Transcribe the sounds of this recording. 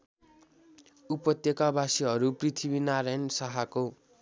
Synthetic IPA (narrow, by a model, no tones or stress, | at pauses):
upʌt̪jʌkabasiɦʌɾuprit̪ʰibinaɾajnsaɦako